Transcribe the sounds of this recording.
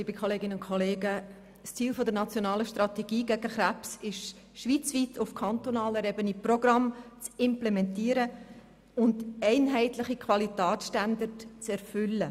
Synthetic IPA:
liːbəkʰoleːɡ̥ɪnəʊnkʰoleːɡə | st͡siːlfodəɾnɑt͡sjonɑːləʃtrɑtɛɡ̥iːɡæɡəχræpsɪʃ | ʃʋit͡sviːtʰʊfkʰɑntonɑːləɾɛbəniproɡrɑmt͡sɪmplemɛntiːəɾə | ʊnd̥ɛɪnɦɛɪtlɪχikʰvɑlitɛːsʃtandəɾtt͡sɛɾfʏlːə

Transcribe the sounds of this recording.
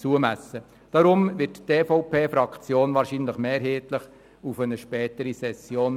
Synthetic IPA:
t͡suəmæsːə | d̥ɑɾʊmʋɪɾtteːfɔʊpeːfɾɑkt͡sjoːnʋɑːɾʃinləχmeːɾɦeːtləχ | ufənəʃpɛːtəɾisɛsjoːn

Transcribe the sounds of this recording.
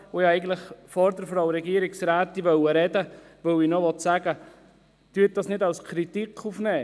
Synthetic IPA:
ojɑɛɪɡən̩tləχfɔɾdəɾfɾɑʊɾɛɡiəɾɪksɾæːt̪ːiʋœwəɾɛdə | ʋœwinɔʋɔt̪sæɡə | tyət̚d̥ɑsnɪdɑlskʰɾit̪ikʰufnɛː

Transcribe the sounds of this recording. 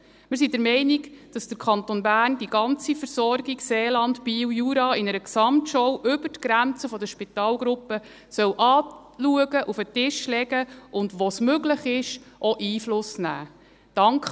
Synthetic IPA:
mɪɾs̬idəɾmɛɪniɡd̥ɑsd̥əɾkʰɑnt̪onbæːrndiɡɑnt͡sifəɾsɔrɡiɡseːlɑndpiːwjuːɾɑːɪnəɾəksɑmtʃɔwʔʏbərtɡ̥ɾænt͡səfɔd̪əʃpit̪ɑːlɡɾʊpːə | sœwʔɑː | luəɡəʔufətɪʃlɛɡəʔʊndʋosmøɡləχɪʃʔɔʔiːflʊsnæ̰ː | d̥ɑŋkχ

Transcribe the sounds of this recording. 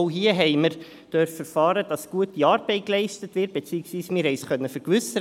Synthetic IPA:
ʊɦiːəɦɛɪməɾ | d̥œɾfəɾfɑːɾəd̥ɑsɡ̥uətiɑːɾbɛɪt̚klɛɪstətʋɪɾt̚b̥et͡siːəksʋiːsmɪːɾɦɛɪsχœnːəfœɾkʋʏsə

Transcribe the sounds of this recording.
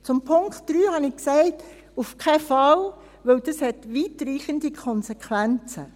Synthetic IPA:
t͡sʊmpʰʊŋktd̥ɾyːhɑnɪksɛɪt | ufkʰɛfɑl | ʋɵwd̥əshɛtʋiːtɾiːχənd̥̪ikʰɔnsekʰʋænt͡sə̰

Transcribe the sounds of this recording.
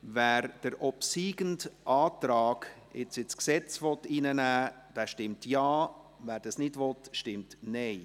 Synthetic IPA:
væːɾd̥əɾʔɔpsiːɡəntʔɑːtɾɑːɡ̥ | ɪt͡sɪsksɛt͡svɔtiːnənæː | d̥ɛːʃtɪmtjɑː | væːɾd̥ɑsnɪdvɔtʃtɪmtnɛɪ

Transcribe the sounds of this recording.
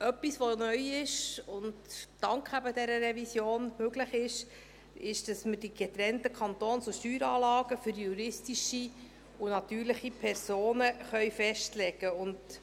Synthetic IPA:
ʔœpːisʋonœjɪʃʊndd̥ɑŋkχæbədɛɾəɾɛvisjoːnmøɡləχɪʃ | ɪʃd̥ɑsmədiɡ̥ɛt̪ɾɛntəkʰɑntoːnsuʃtyːɾɑːlɑːɡəfʏɾjuɾɪstiʃi | ʊnɑt̪yːɾləχipʰɛɾsoːnəχœʏfɛʃtlɛɡ̥əʊnd

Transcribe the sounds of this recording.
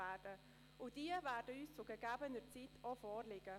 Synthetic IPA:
æːd̥ə | ʔʊd̥iəvæːɾdəyːst͡sʊɡəɡ̥æːbənət͡sitʰofɔːrlɪɡ̥ə

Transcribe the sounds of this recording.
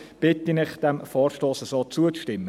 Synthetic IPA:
b̥ɪt̪inɪχd̪̥ɛmfɔːɾʃtoːsəsoːt͡suət͡sʃtɪmːə

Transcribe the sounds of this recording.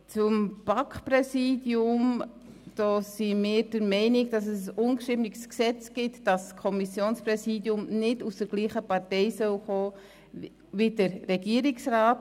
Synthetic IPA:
t͡sʊmb̥ɑkχpɾɛsiːdjʊm | d̥ɔːsimɪːɾd̥əɾmɛɪnɪɡd̥ɑs̬əsʊnʃɪbnɪɡsksɛt͡sɡ̥ɪtd̥ɑskʰɔmisjoːnspɾɛsiːdjʊmnɪdusd̥əɾɡ̥liːχəpɑɾtɛɪsœwχoː | ʋidəɾːɛɡiəɾiksraːt

